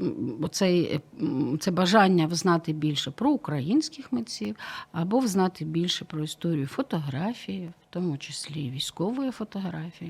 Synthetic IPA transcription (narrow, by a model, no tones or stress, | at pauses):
ɔt̪sɛj | t̪sɛbɐʒɑnʲːɐwznɑt̪ɪbʲilʲʃɛpɾɔʊkɾɐjinʲsʲkɪxmɪt͡sʲiwɐbɔwznɑt̪ɪbʲilʲʃɛpɾɔist̪ɔɾʲijʊfɔt̪ɔɦɾɑfʲijiwt̪ɔmʊt͡ʃɪsʲlʲiʋʲisʲkɔʋɔjifɔt̪ɔɦɾɑfʲiji